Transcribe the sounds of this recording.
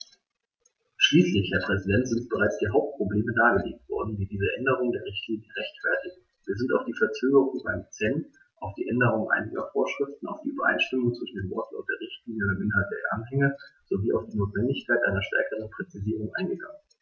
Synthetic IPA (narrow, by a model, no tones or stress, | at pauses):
ʃliːslɪçhɛɐpʁ̥ɛzidɛntz̥ɪntb̥əʁ̞aɪt͡sd̥iːɐɦaʊp̚t̚pʁ̥obleːmədaːɡəlḛːk̚tv̥ɔ̰ɐdn̩viːdiːzəʔɛndəʁ̞ʊŋəndeːɐʁɪçtʰliːnjəʁɛçtfɛɐtɪ | v̥iːɐzɪntaʊfd̥iːfɛɐt͡søːɡəʁʊŋa̰ɪnt͡sɛnt | ʔaʊfd̥ḭːʔɛndəʁ̞ʊŋʔa̰ɪnɪɡɐ̰foːɐʃʁ̥ɪftn̩a̰ʊfd̥iːʔybɐ̰ʔa̰ɪnʃtɪmʊŋt͡sv̥ɪʃn̩deːnvɔɐt̩ʊntd̥eːɐʁɪçtliːnjəʊntʔɪnɦalt̚deːɐʔanɦɛŋəz̥oviːʔaʊfd̥iːnoːtv̥ɛndɪçkʰaɪtʔaɪnɐʃtɛ̰ɐkəʁ̞ənpʁ̥ɛt͡siziːʁ̞ʊŋʔa̰ɪnɡəɡaŋən